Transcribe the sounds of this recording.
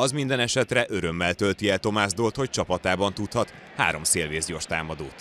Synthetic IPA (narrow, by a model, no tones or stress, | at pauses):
ɒzmind̪ɛnɛʃɛt̪rɛʔø̞ɾø̞mːɛlt̪ø̞lt̪iɛlt̪o̞maːzd̪oːlt̪ho̞c̚t͡ʃɒpɒt̪aːbɒnt̪ut̪hɒt̪ | ha̰ːɾo̞mseːlveːzɟo̞rʃt̪aːmɒd̪ouːt̪